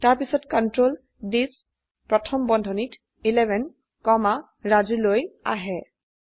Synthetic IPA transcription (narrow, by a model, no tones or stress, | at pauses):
taɹpisɔtkɔntɹol | dis | pɹɔtʰɔmbɔndʱɔnit | ilɛbʱɛn | kɔma | ɹaziloja̰ɦɛ